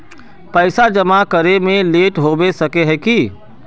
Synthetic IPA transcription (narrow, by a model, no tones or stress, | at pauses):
pəɪsad͡ʒəmakəɾemẽleːʈɦoːbesəkeɦɛki